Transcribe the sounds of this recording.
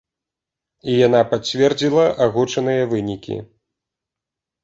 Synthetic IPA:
ijanapat͡sʲvʲɛrd͡zʲilˠɐʔaɣut͡ʂɐnɨjɐvɨnʲikʲḭ

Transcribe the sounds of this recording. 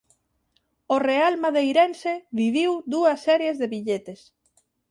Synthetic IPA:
orealmaðejɾenseβiβiwd̪uɐsːɛɾjezðeβiʎet̪es

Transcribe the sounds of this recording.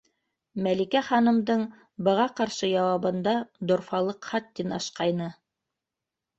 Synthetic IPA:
mælikæχɑnɤ̆md̪ɤɴ | bɤ̆ʁɑqɑɾʃɤjɑwɑβɤ̆nd̪ɑd̪ŏɾfɑlˠɤqχɑt̪ːinɑ̰ʃqɑjnɤ

